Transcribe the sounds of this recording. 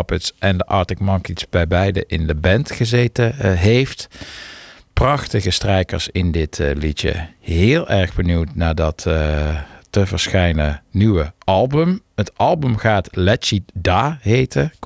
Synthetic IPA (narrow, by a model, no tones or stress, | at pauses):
pətsʔɛndəʔɑɹtɪkmɑŋkisbɛjbɛjdəʔɪndəbɛntχəzetəɦejft | prɑχtəɣəstrɛjkəɹsɪndɪtlitə̰ɦɪːlˠʔɛɹχbənuwtnaːdɑt | təvəɹsχɛjnənyʋəɑlˠbɵmɦətɑlˠbɵmχaːtlɛt͡ʃidaːɦejtə